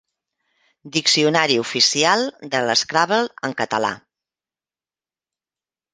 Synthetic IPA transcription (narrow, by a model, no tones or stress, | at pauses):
d̪iksiunaɾiufisialˠd̪ələskɾaβəlˠəŋkət̪əla̰